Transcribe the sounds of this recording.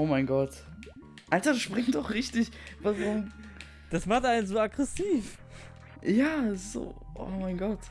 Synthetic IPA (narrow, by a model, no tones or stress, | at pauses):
oːmaɪnɡɔt | ʔaltaʃpʁ̥ɪŋdɔχʁɪçtɪçvasa | d̥asmaχtʔaɪnənzoːaɡʁɛsiːf | jaːz̥o̰ːʔo̰ːmaɪnɡɔt